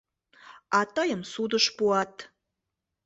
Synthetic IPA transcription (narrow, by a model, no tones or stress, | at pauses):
ɑt̪əjə̆msud̪əʃpuɑt̪